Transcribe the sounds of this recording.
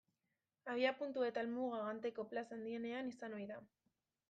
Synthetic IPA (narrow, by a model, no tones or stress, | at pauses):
aβ̞iapunt̪ue̞t̪almuɣaɣant̪e̞ko̞plasand̪ie̞ne̞anisano̞jða